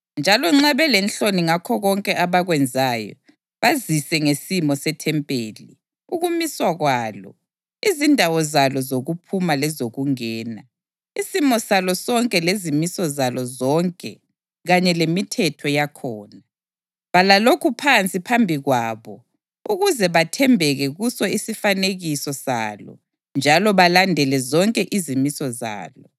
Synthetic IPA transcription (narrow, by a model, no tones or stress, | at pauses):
nd͡ʒʱalɔŋ͡ǁaβɛlɛnɬoniŋakʰɔɣɔŋkʼɛʔaβaɣwɛnd͡zʱajɔ̰ | βazisɛŋesimɔsɛtʰɛmpʼeːli | uɣumiswaɣwaːlɔ̰ | izindʱawɔzalɔzoɣupʰumalɛzoɣuŋɛːna | isimɔsalɔsɔŋkʼɛlezimisɔzalɔzɔŋkʼɛ̰ | ɣaɲɛlemitʰɛtʰɔjakʰɔːna | βalalokʰupʰant͡sʼipʰambʱiɣwaːβɔ | uɣuzɛβatʰɛmbʱɛɣɛɣusɔisifaneɣisɔsa̰lɔ̰ | nd͡ʒʱalɔβalandʱɛlɛzɔŋkʼɛʔizimisɔza̰ːlɔ